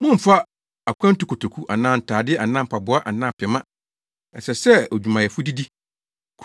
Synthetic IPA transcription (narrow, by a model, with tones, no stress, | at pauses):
mʊ̃˦m̩˨fa˦ | a˨kʷʰã˦n̩˦tu˨˦kʰo˨tʰo˨kʰu˦ʔa˨nãː˦˨n̩˨tʰaː˨dɪ˦ʔa˨nãː˦m̩˦pʰa˨bʊ˨˦a˦ʔa˨nãː˦˨pʰɪ˨mã˦ | ɛ˨sɛ˨sɛ˦ɔ˨d͡ʑᶣu˨mã˨jɛ˨fʊ˦di˦di˦ | kʰ